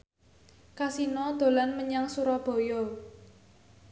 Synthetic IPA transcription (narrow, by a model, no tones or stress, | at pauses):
kasinɔd̪̥o̤lanməɲaŋsuɾɔb̥ɔ̤jɔ